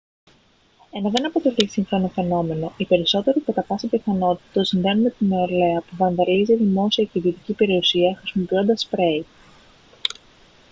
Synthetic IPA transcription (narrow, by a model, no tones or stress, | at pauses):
enɐðe̞nɐpo̞t̪e̞lisiŋfɾonofe̞no̞me̞no̞ʔipe̞ɾiso̞t̪e̞ɾikɐt̪ɐpɐsipiθɐno̞t̪i̥t̪osinðe̞nume̞t̪inoele̞ɐpuvɐnðɐliziðimo̞siɐceðiot̪icipe̞ɾiosiɐxɾisimo̞pio̞nd̪ɐspɾe̞i